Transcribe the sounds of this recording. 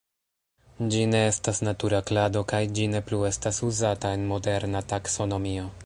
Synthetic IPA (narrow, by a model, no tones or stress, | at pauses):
d͡ʒine̞estasnatuɾaklado̞kajd͡ʒine̞plue̞stasuzatae̞nmo̞de̞ɾnatakso̞no̞mio̞